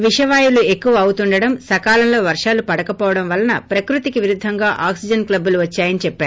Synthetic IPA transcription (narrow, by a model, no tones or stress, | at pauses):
ʋiʂɐʋaːjulue̞kːuʋɐɐwut̪uɳɖɐɽɐmsɐkaːlɐmlo̞ːʋɐɾʂaːlupɐɽɐkɐpɔːʋɐɽɐmʋɐlːɐnɐpɾɐkɾut̪ikiʋiɾud̪ʱːɐŋɡaːʔaːksid͡ʒɐnklɐbːuluʋɐt͡ʃːaːjɐnit͡ʃɛpːaːɾu